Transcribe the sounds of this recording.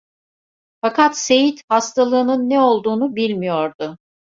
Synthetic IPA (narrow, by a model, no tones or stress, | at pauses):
fakat̪se̞jit̪hast̪ʰalˠɯːnɯnːɛo̞lˠd̪uːnubilʲmijoɾd̪ʊ